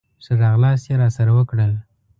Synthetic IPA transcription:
səʐɑɣlɑsjeɾɑsaɾawəkɽəl

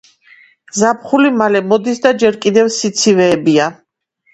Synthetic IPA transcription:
zap̚χulimalɛmɔd̪isd̪ad͡ʒɛɾkʼid̪ɛvsit̪sʰivɛːbia

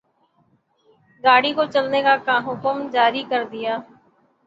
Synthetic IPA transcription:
ɡaːɽikot͡ʃəlnekakãːɦʊkəmd͡ʒaːɾikəɾd̪ɪjaː

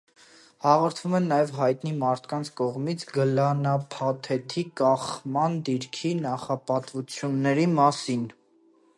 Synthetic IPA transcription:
hɑʁɔɾt̪ʰvumɛnːɑjɛvɦɑjt̪nimɑɾt̪ʰkɑnt͡sʰkɔʁmit͡sʰɡəlɑnɑpʰɑt̪ʰɛt̪ʰikɑχmɑnd̪iɾkʰinɑχɑpɑt̪vut͡sʰjunːɛɾimɑsin

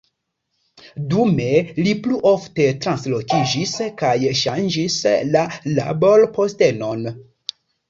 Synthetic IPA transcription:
dume̞lipluʔo̞fte̞tɾanslo̞kid͡ʒiskajʃand͡ʒislala̰bolpo̞ste̞no̞n

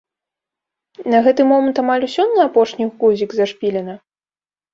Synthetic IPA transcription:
nɐɣɛt̪ɨmɔmɐnt̪amalʲusʲɔnːɨapɔʂnʲiɣkuzʲiɡzɐʂpʲilʲɛnɐ

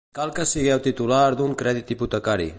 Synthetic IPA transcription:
kalˠkəsiɣ̞ɛwt̪it̪ulaɾd̪uŋkɾɛðit̪iput̪əkaɾḭ

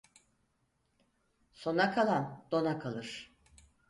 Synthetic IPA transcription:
so̞nakʰalˠand̪̥o̞nakʰalˠɯɾ̥

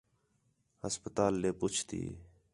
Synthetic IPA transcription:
həspət̪aːlːeːpʊt͡ʃʰt̪ḭː

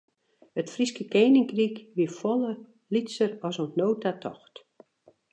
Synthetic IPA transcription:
hətfriskəkeːnɪŋkrikʋifɔlˠə | litsəɾɔsontnoːtatʰɔ̰xt

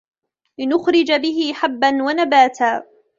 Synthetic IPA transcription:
lɪnʊxɾɪd͡ʒabɪɦɪħabːanwanabaːt̪aː

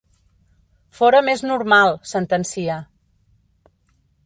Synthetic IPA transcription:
fɔɾəmeznuɾmalˠsənt̪ənsia

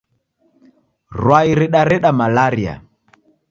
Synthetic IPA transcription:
ɾwaiɾiɗaɾɛɗamalaɾia̰

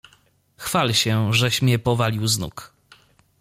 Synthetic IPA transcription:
xfalɕɛʐɛɕmʲjɛpɔvalʲiwznṵk

